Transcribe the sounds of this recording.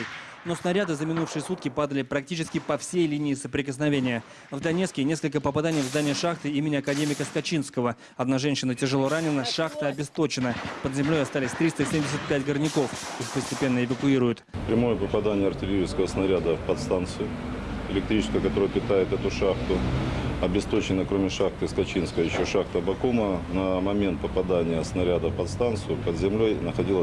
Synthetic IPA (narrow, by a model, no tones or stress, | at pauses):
no̞snɐɾʲad̪ɨzəmʲɪnufʂɨjəsut̪kʲɪpad̪əlʲɪpɾɐk̚tʲit͡ɕɪskʲɪpɐfsʲejlʲinʲɪːsəpɾʲɪkəsnɐvʲenʲɪjə | vd̪ɐnʲeskʲɪnʲe̞skəlʲk̬əpəpɐd̪anʲɪjvzd̪anʲɪjəʂaxt̪ɨimʲɪnʲɪɐkɐdʲemʲɪkəskɐt͡ɕinskəvə | ɐd̪naʐɛnʲɕːɪnətʲɪʐɨlˠo̞ɾanʲɪnəʂaxt̪əɐbʲɪst̪o̞t͡ɕɪnəpəd̪zʲɪmlʲo̞jɐst̪alʲɪsʲt̪ɾʲist̪əsʲemʲdʲɪsʲɪt̪̚pʲæt̚ʲɡərnʲɪko̞fixpəsʲtʲɪpʲe̞nːəɪvəkʊiɾʊjʊt̪pɾʲɪmo̞jəpəpɐd̪anʲɪjəɐrtʲɪlʲɪɾʲiskəvəsnɐɾʲad̪əfpɐt̪st̪ant̪sɨjʊ | ɪ̰lʲɪk̚t̪ɾit͡ɕɪskəjəkɐt̪oɾʊjpʲɪt̪ajɪt̪ɛt̪ʊʂaxt̪ʊɐbʲɪst̪ot͡ɕɪnːəkɾomʲɪʂaxt̪ɨskɐt͡ɕinskəvəjɪɕːo̞ʂaxt̪əbɐkumənəmɐmʲe̞nt̪̚pəpɐd̪anʲɪjəsnɐɾʲad̪əfpɐt̪st̪ant̪sɨjʊpəd̪zʲɪmlʲo̞jnəxɐdʲilˠə